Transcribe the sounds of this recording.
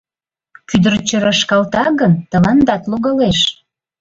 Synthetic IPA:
kyd̪əɾt͡ɕəɾɑʃkɑlt̪ɑɣənt̪ə̆lɑnd̪ɑt̪loɣɑleʃ

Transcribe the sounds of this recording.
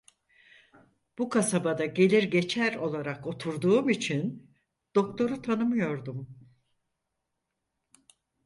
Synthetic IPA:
b̥ukʰasabad̪aɟe̞lʲiɾɟe̞t͡ʃʰæɾo̞lˠaɾako̞t̪ʰuɾd̪uːmit͡ʃʰin | d̪̥o̞k̚t̪ʰo̞ɾut̪ʰanɯmɯjo̞ɾd̪um

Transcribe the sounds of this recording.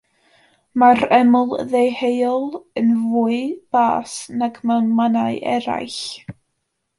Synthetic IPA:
maɾɛmʊlˠðejhejɔlˠənvuːɨb̥aːsnaɡməmanaɨʔɛ̰ɾa̰jɬ

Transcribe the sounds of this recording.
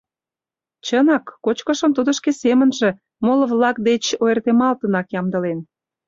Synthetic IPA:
t͡ɕənɑkːot͡ɕkə̆ʃə̆mt̪ud̪ə̆ʃkesemənʒĕ | molə̆βlɑkd̪et͡ɕoert̪emɑlt̪ənɑkjɑmd̪ə̆len

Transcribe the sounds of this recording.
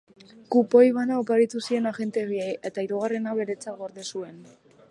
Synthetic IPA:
kupo̞jβanaopaɾit̪usie̞naɣe̞nt̪e̞ɣieje̞t̪aiɾuɣ̞are̞naβe̞ɾe̞t͡saɣo̞ɾðesue̞n

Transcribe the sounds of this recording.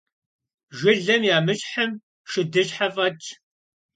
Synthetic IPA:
ʒʷɪɮɐmjaːmɨɕħəm | ʃɪdɨɕħɐfʼɐt͡ʃʰʼ

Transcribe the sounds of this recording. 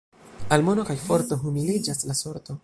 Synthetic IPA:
almo̞no̞kajfo̞ɾt̪o̞ɦumilid͡ʒaslaso̞ɾt̪o̞

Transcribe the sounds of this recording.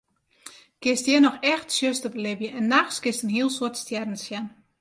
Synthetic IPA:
ɡ̥ɪstjɛnɔxɛxtsjøstəplebjəʔɛnːaxsɡ̥ɪstənhiəlˠsɔɐtstjɛdn̩sjɛn

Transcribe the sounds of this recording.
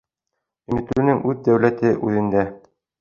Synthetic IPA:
ɵ̆nɘ̆t̪ɘ̆lɘ̆nɘŋʔʉðd̪æwlæt̪ɘʔʉðɘ̆nd̪æ

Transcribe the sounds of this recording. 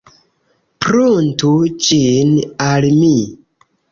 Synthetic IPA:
pɾontud͡ʒinalmi

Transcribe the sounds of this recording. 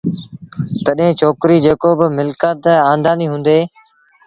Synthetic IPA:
t̪əɗɦẽːt͡ʃʰoːkɾiːd͡ʒeːkoːbɪmɪlkət̪ãːnd̪aːniːɦʊ̃ːnd̪eː

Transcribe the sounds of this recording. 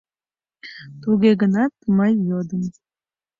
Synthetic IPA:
t̪uɣeɣənɑt̪məjːod̪əm

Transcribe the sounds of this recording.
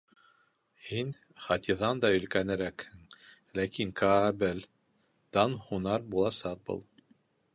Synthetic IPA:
hin | χɑt̪ʲiðɑnd̪ɑɵ̆lkænɘ̆ɾækhɘŋ | lækiŋkɑbɘl | d̪ɑnhunɑɾbulˠɑsɑq̚bɤ̰lˠ

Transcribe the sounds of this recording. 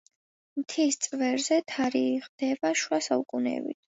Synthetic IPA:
mt̪ʰist̪sʼvɛɾzɛt̪ʰaɾiːʁd̪̥ɛbaʃwasaukʼunɛ̰bḭt̪ʰ

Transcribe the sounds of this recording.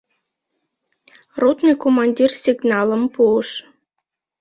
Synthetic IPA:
rut̪nɨjkomɑnʲdʲirsʲiɡnɑlˠə̆mpuəʂ

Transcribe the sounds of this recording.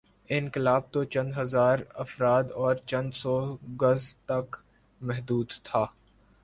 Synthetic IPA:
ɪ̃nkɪlaːb̚t̪ot͡ʃɐ̃nd̪ɦɐzaːɾɐfɾaːd̪ɔːɾt͡ʃɐ̃nd̪sɔːɡɐzt̪ɐk | mɛɦd̪uːd̪t̪ʰaː

